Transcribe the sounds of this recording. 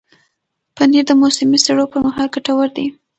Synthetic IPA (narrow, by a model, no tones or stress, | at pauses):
paniɾd̪əmosɪmiseɽopəɾmaɦɑlɡaʈawəɾd̪i